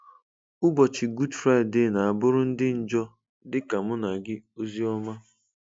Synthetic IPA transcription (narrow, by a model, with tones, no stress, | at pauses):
ʊ˦bɔ˨t͡ʃɪ˨ɡu˦dfɾa˦˨dde˦˨na˨a˨bʊ˦ɾʊ˦n̩˦dɪ˦n̩˨d͡ʒɔ˦ | dɪ˦ka˨mʊ˦na˨ɡɪ˦o˦zi˦ɔ˦ma˦